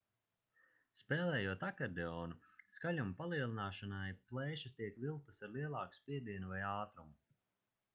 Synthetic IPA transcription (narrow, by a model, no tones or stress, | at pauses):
spɛːlɛːjuɔt̪akɛɾd̪ɛɔːnuskalʲumpalˠiɛlˠinaːʃanajplˠɛːʃɐst̪ʲiɛkvilˠk̚t̪asaɾlˠiɛlˠɑːku̥spʲiɛd̪iɛnuvajaːt̪ɾum